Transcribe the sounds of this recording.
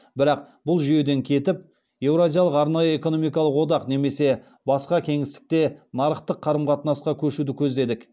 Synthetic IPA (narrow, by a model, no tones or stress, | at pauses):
bɪɾɑq | bʊlˠʒʏje̞d̪e̞ŋkʲʰe̞t̪ɪp̚ | je̞wɾozʲijɑlˠəqɑɾnɑjəe̞ko̞no̞mijkɑlˠəqwo̞d̪ɑqne̞me̞se̞ | bɑsqɑkʲʰe̞ŋɪst̪ɪ̥k̚t̪e̞nɑɾəqt̪əqʰːɑɾəmqʰɑt̪nɑsqɑkʲʰɵʃud̪ɪkʲʰɵzd̪e̞d̪ɪk